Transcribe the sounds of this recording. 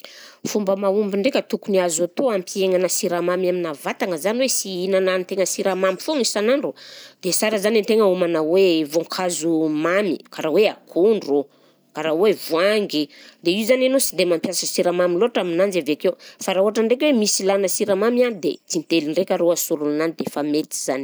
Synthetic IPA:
fumbəmaumbiɳɖ͡ʐekʲət̪ukuniazat̪oampieŋanəsiɾamamaminavat̪aŋəzaniwesiinanant̪eŋəsiɾamamifoŋisanaɳɖ͡ʐud̪esaɾəzanent̪eŋəumanawevoŋkʰazumamḭkaɾaweakʰuɳɖ͡ʐo | kaɾawevuaŋɡid̪eiuzananosid̪emampjasəsiɾamamiloaʈ͡ʂaminand͡zavekewfaɾauaʈ͡ʂəɳɖ͡ʐekwemisilanəsiɾamamianid̪et͡s̪int̪eliɳɖ͡ʐekʲaɾoasuɾulunanid̪efamet̪i̥z̥ani

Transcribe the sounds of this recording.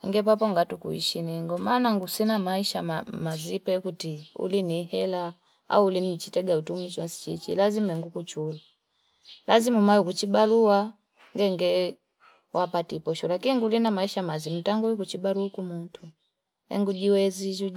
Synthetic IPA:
ŋɡɛp̬apɔŋɡatukṵḭʃiniŋɡɔmaːnaŋɡusinamaiʃamamazipɛkutiṵlinihɛla | a̰uulinit͡ʃitɛɡautumit͡ʃɔnsi̥t͡ʃit͡ʃḭlazimaɛŋɡukut͡ʃula | lazimumajukut͡ʃibalua | ŋɡɛŋɡɛ | wʔapatipɔʃulakiŋɡulinamaiʃamazim̩taŋɡuikut͡ʃibaluukumuntʰu | hɛ̰ŋɡud͡ʒiwɛzid͡ʒu

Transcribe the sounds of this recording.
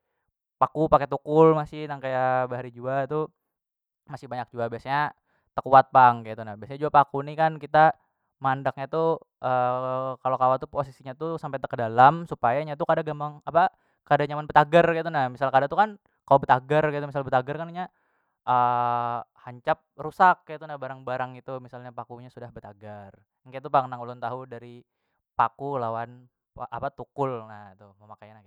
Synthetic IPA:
pakupaket̪ukʊlmasɪhnaŋkajabəɦaɾid͡ʒuat̪u | masɪhbaɲak̚d͡ʒuabiasaɲa | t̪əkuat̪̚paŋkait̪unahbiasaɲad͡ʒuapakunikankit̪a | mandak̚ɲat̪u | ʔəkalokawat̪uposisiɲat̪usampajt̪əkədalamsupajaɲat̪ukadaɡambaŋapa | kadaɲamanbət̪aɡərkit̪̬unahmisalkadat̪ukan | kalobət̪aɡərɡit̪umis̬albət̪aɡərkaniɲa | ʔə | haɲt͡ʃap̚rusakːajt̪unahbaɾaŋbaɾaŋit̪umisalɲapakuɲasudahbət̪aɡar | ŋkat̪̬upaŋənaŋulʊnt̪aɦudaɾi | pakulawan | paʔapat̪ukʊlnahit̪uməmakajanaɡ

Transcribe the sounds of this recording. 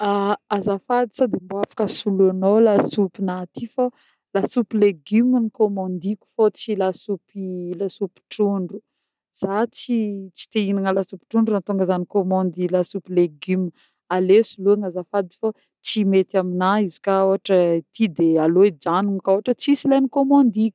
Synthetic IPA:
aazafad̪i̥sad̪emboafḁkəsuluanolasupinat̪ifa | lasupileɡyminikomɔ̃nd̪ikʲu̥fot͡silasupilasupi̥ʈ͡ʂuɳɖ͡ʐu | z̥at͡sit͡si̥t̪einaŋəlasupi̥ʈ͡ʂuɳɖ͡ʐuant̪uŋɡəzanikomɔ̃nd̪ilasupileɡym | alesuluaŋazafad̪i̥fa | t͡simet̪aminaizi̥kaoɦaʈ͡ʂət̪ʰid̪ealoid͡ʒaniŋkoɦaʈ͡ʂət͡sisilajnikomɔ̃nd̪ikʲu̥

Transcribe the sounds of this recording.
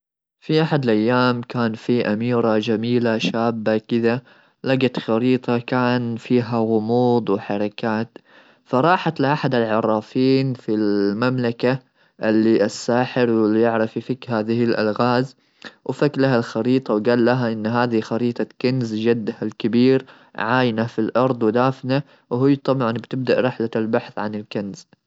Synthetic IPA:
fiʔaħad̪alʔajːaːmkaːnfiʔamiːɾad͡ʒamiːlaʃaːbːakɪða | laɡat̪xɑɾiːt̪ˤɑkaːnfiːɦaɣʊmuːd̪ˤwɪħɑɾˤɑkaːt̪ | fɑɾˤɑːħat̪lɪʔaħad̪alʕɑɾˤːɑːfiːnfilmamlaka | ʔɪlːiʔasːaːħɪɾwɪlːijɪʕɾˤɑfifɪkhaːðɪhɪlʔa̰lɣaːz | wfaklaɦalxɑɾiːt̪ˤɑwɡaːlːaɦaʔɪnːɦaːðixɑɾiːt̪ˤɑkanzd͡ʒad̪ːhalkɪbiːɾ | ʕaːjnafilʔɑɾˤd̪ˤwɪd̪aːfna | wɦɪjːt̪ˤɑbʕɑnbt̪ɪb̚d̪aʔɾɪħlalbaħθʕanɪlkanz̥

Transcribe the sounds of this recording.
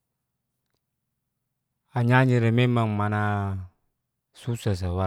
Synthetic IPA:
aɲaɲiɾɛmemaŋmana | susas̬awa

